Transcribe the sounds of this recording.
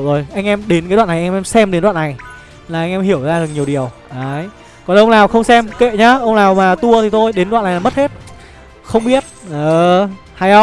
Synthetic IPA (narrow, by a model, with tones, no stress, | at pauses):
wzo˨˩jʔa˧jŋ̟ʔɛ˧mɗe˨˦nkaː˨˦ɗwa̰ː˧˨n˨˩ʔɛ˧mɛ˧msɛ˧mɗe˨˦nɗwa̰ː˧˨na˨˩j | laː˨˩ʔa˧jŋ̟ʔɛ˧mhi˧˩əwzaː˧ɗɨ˨˩ək̚ɲi˨˩əwɗi˨˩əwʔəː˨˦j | kɔ˨˩nʔə˧wŋ͡mlaː˨˩wxə˧wŋ͡msɛ˧mkḛ˧˨ɲaː˧ʔə˧wŋ͡mlaː˨˩wmaː˨˩t̪u˧ət̪ʰi˨˩t̪o˧jɗe˨˦nwa̰ː˧˨nːa˨˩˨aː˨˩mə˦˥t̚he˦˥t̚ | xə˧wŋ͡mɓi˦˥ət̚ʔəː˨˩ | ha˧jə˧